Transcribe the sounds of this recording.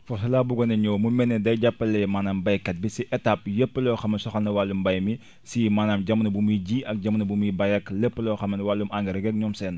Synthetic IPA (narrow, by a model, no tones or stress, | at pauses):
fɔs̬ɐlaːbuɡɔnɐɲɔːwmumɛnɛdɐjɟapːɐlɛmaːnaːmbɐjkɐt̚bisiʔɛtap̚jəpːəlɔːxɐmɐnsɔxɐnɐwalːumbɐjmi | simaːnaːmɟɐmːɐnɐbumuɟiːʔɐk̚ɟamnɐbumibɐjɐkləpːəlɔxɐmɐnwalːumʔaŋɡɐɾɛɡɛk̚ɲɔmsɛn